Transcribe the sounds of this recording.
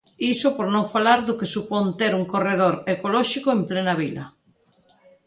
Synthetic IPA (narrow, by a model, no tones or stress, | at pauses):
isopoɾnõŋfalaɾðʊkesupont̪eɾuŋkoreð̞oɾekolɔʃikoemplenaβilɐ̰